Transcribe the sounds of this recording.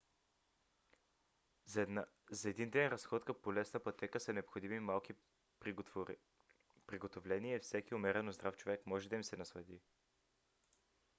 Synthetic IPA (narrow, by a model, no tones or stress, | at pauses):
zɐɛd̪ind̪ɛnɾɐsxɔt̪kəpolɛsnəpɐt̪ɛkəsɐnɛopxod̪imimalˠki | pɾiɡot̪ovlɛniɛfsɛkiomɛɾɛnozd̪ɾaft͡ʃovɛkmɔʒɛd̪ɐimsɛnɐslˠɐd̪i